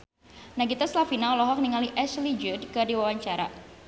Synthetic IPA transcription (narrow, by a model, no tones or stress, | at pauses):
naɡit̪aslafinaɔlɔɦɔk̚niŋaliʔɛslid͡ʒud̚kərdiwawaɲt͡ʃaɾa̰